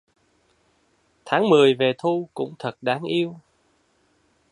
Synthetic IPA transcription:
t̪ʰaː˨˦ŋmɨ˨˩əjve˨˩t̪ʰu˧kʊ̰˧˥ŋ͡mt̪ʰə˨˩t̚ɗaː˨˦ŋʔi˧əw

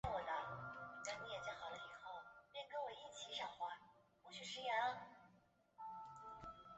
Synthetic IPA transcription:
wɔ˨˩d̪ə˧˩ka˧˥ni˧˥jɛ˨˩t͡sa˥˩xɑ˨˩ʊlə˦i˨˩xo˥˩ʊpjɛ˥˩nkə˥nwɔ˨˩i˥˩t͡ɕʰi˧˥ʂɑ˨˩ŋxwa˧˥pu˧˥t͡ɕʰy˨˩ʂɻ̩˧˥jɛ˧˥˧

